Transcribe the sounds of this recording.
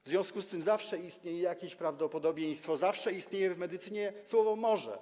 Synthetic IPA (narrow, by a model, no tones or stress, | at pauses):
vzvjɔ̃w̃skust̪ɘmzafʂɛist̪ɲejɛjakʲeɕpɾavd̪ɔpɔd̪ɔbʲjej̃st̪fɔzafʂɛist̪ɲejɛvmɛd̪ɘt̪sɘɲɛswɔvɔmɔʐɛ̰